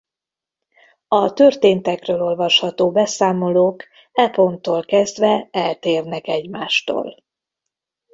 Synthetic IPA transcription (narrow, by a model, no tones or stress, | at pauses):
ɒt̪ørt̪eːnt̪ɛkrøːlo̞lvɒʃhɒt̪oːbɛsaːmo̞loːk | ɛpo̞nt̪oːlkɛzd̪vɛɛlt̪eːrnɛkɛɟmaːʃt̪o̰ːl